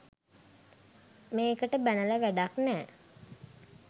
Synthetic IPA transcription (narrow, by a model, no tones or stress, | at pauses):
meːkəʈəbænələʋæɖaknɛː